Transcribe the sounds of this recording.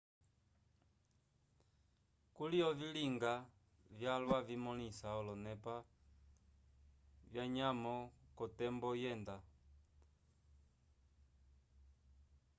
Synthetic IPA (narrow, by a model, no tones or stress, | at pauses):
kuliɔviliŋɡa | vjalwavimɔlisaɔlɔnɛpa | vjaɲamɔkɔtɛmbɔjɛnda